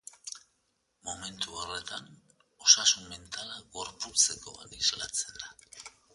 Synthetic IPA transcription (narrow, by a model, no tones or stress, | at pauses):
mo̞me̞nt̪uore̞t̪an | o̞sasunme̞nt̪alaɣo̞ɾput͡se̞ko̞̰a̰nizlat͡se̞nd̪a